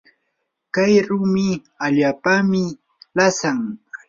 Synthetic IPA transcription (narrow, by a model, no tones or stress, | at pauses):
kajɾʊmɪ | aʎaːpamɪ | lasaŋ